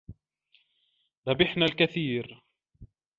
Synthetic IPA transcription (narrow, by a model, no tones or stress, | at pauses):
ðˤabɪħnalkaθiːɾ